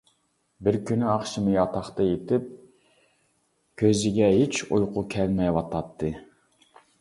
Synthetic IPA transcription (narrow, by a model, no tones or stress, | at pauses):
bɪɾkʲynyɑχʃɨmɨjɑt̪ʰɑχt̪ɑjet̪ʰɪp̚ | kʲʰøzɪɡʲɛɦet͡ʃujqʰʊkʲʰɛlmɛjwɑt̪ʰɑt̪ʰːɨ